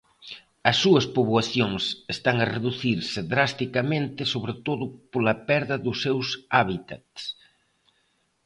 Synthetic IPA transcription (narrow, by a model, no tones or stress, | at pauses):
ɐsːuɐspoβwɐθjoŋsest̪aŋɐreðuθiɾsɪðɾast̪ikɐmẽnt̪ɪsoβɾet̪oðʊpolɐpɛɾðɐðʊsːewsaβit̪at̪s